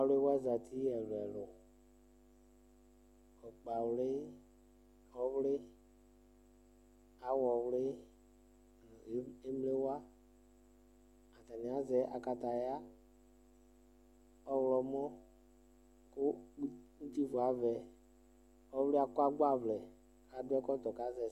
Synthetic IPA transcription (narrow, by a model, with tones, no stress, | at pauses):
a˨le˦wa˦za˨t̪ʰi˦ɛ˨lɛ˨lʊ˨ | ɔ˨k͡pa˨wle˦ | ɔ˦wle˦ | a˨˦wɔ˨wle˦˨˦ | e˦mle˦wa˦ | a˨t̪a˨ni˨a˨˦zɛ˨˦ʔa̰˨ka˧t̪a˨ja˦ | ɔ˦wlɔ˨mɔ̃˦ | ko˦ŋu˦t̪i˦vo˨a˨˦vɛ˨ | ɔ˦wle˦a˨kɔ˦a˦ɡ͡ba˦˨vlɛ˨ | a˨dɛ˦kɔ˦t̪ɔ˨ka˨˦zɛ˨